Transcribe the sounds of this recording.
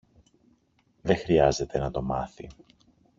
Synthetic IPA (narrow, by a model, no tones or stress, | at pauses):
ðe̞xɾiɐze̞t̪e̞nɐt̪o̞mɐθḭ